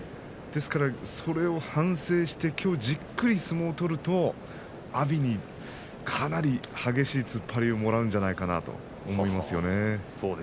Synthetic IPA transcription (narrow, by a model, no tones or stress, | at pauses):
d̪̥e̞sɨ̥kaɾaso̞ɾe̞o̞hãɰ̃se̞ːɕi̥t̪e̞kʲʰo̞ːd͡ʑikːɯ̟ɾʲisɨmo̞ːt̪o̞ɾɯ̟t̪o̞ | abʲiɲ̟i | kʰanaɾʲihaɡe̞ɕiːt͡sɨpʰːaɾʲio̞mo̞ɾaɯ̟̃nɲ̟d͡ʑanaikana̰t̪o̞̰ː | mo̞imasɨjo̞ne̞soː